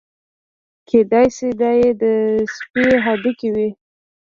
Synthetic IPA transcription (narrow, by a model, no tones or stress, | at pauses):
kʰed̪ɑjsed̪ɑjed̪əspiɦɑd̪ikiwi